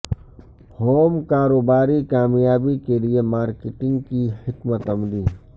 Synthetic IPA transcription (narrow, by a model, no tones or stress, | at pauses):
hoːmkaːɾoːbaːɾikaːmjaːbikeliemaːɾkɪʈɪ̃ŋɡkihɪkmət̪ɐmliː